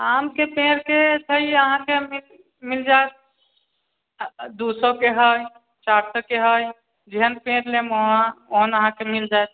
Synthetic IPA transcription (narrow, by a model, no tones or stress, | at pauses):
amkepẽɾket̪ʰəiəɦãkemil | mild͡ʒaet̪̚ | d̪usokeɦəj | t͡ʃaɾsəkeɦəj | d͡ʒeɦənpẽɾlemɦoɦənəɦãkemild͡ʒajt̪̚